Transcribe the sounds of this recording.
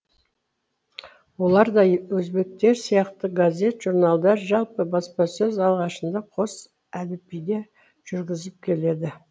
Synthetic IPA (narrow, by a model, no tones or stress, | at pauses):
wo̞lˠɑɾd̪ɑjwɵzbe̞k̚t̪e̞ɾsijɑqt̪əɡazʲe̞t̪ʒ̥uɾnɑlˠd̪ɑɾʒɑlˠpəbɑspɑsɵzɑlˠʁɑʃənd̪ɑqʰo̞s | æd̪ɪpijd̪e̞ | ʒ̥ʏɾɡʲɪzɪp̚kʲʰe̞le̞d̪ɪ